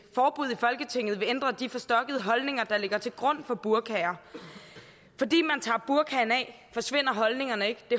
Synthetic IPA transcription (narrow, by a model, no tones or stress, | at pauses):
fɒːb̥uðˠifɒ̽lɡ̥ət͡sʰe̝ŋ̰ð̩ˠʋe̝end̥ʁɐd̥ifɒ̽sd̥ɒ̽ɡ̥əð̞ˠəɦɒ̽lne̝ŋɐd̥ɑ̈le̝ɡ̥ɐt͡sʰe̝lɡ̥ʁɔ̽n̰fɒ̽b̥uɐkʰɛɐ | fɒ̽dḭːmænt͡sʰɑ̰̈ːb̥uɐkʰɛːnɛ̰ː | fɒ̽sʋe̝n̰ɐɦɒ̽lne̝ŋɐnəe̝ɡ̥d̥e̝